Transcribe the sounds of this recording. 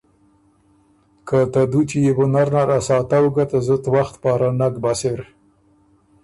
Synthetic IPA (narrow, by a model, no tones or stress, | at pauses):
kat̪ad̪ut͡ʃijebʊnaɾnaɾasɑt̪awəɡat̪azət̪waxt̪pɑɾanaɡbaseɾ